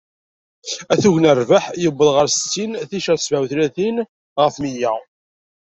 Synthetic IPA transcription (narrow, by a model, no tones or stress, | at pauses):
æθuʝnərˤvaħjəbːəðʁəɾsət͡sːinθiʃæsvæwθlæθin | ʁəfmijæ